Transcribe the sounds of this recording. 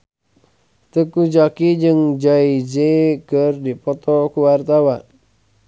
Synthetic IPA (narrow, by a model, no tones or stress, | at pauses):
t̪əkud͡ʒakid͡ʒɨŋd͡ʒaid͡ʒekərdipɔt̪ɔkuwart̪awa